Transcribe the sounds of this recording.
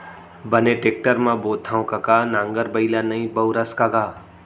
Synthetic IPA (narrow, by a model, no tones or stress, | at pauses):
bəneʈek̚ʈəɾmãboːt̪ʰãõkɐkaːnãːŋɡəɾbəilanɐĩbəwɾəskaɡaː